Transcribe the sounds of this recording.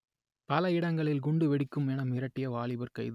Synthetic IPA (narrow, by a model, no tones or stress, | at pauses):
pɐlɐɪɽɐŋɡɐɭɪlɡʊɳɖɯʋɛɽɪkːɯmɛnɐmɪɾɐʈːɪjɐʋaːɭɪbɐɾkɐɪðɯ